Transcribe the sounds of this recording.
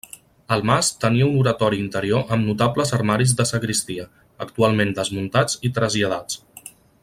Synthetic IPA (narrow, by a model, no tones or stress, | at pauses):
əlˠmast̪əniəunuɾət̪ɔɾiːnt̪əɾioʔəmnut̪abləzəɾmaɾizðəsəkɾist̪iə | əkt̪ualˠmend̪əzmunt̪ad͡zit̪ɾəzʎəð̞at͡s